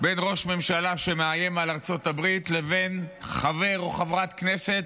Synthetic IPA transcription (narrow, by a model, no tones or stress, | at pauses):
be̞nʁo̞ʃme̞mʃalaʃemeajemalaʁt͡so̞t̪abʁitle̞ve̞nχave̞ʁo̞χavʁat̪kne̞set̪